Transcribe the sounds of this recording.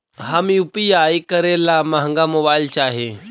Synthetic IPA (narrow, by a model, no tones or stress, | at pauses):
ɦamiupijaikəɾelamɐɦə̃ŋɡamobaːilt͡ʃaːɦe